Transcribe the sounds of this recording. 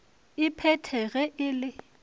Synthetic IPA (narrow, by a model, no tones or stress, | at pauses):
ɪpʰɛtʰɛɣɛʔɪlɪ